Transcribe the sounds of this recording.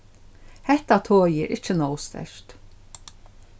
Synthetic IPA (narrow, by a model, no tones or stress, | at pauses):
hɛht̪at̪ʰoːjɪɾʔɪt͡ʃːɪnɔwst̪ɛ̰ʃt̪